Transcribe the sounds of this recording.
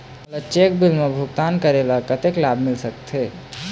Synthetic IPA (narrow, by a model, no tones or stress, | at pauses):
ələt͡ʃekbilmebʱuɡt̪ankəɾelakət̪eklabʱmilsəkt̪ʰe